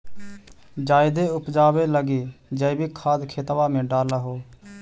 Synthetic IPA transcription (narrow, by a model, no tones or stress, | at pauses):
d͡ʒaːɪd̪eːʊpd͡ʒaːʋeːləɡiːd͡ʒəibiːkʰaːd̪kʰeːt̪ʋaːmẽːɖaːlaːɦoː